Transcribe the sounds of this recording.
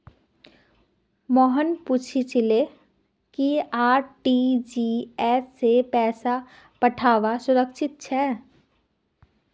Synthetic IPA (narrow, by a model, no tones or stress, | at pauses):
mɔːɦənpuːt͡ʃʰit͡ʃɪle | kiaːɾʈid͡ʒiːɛːsːepɛːsa | pəʈʰaːʋasʊɾəkʃʰɪt̪̚t͡ʃʰɛː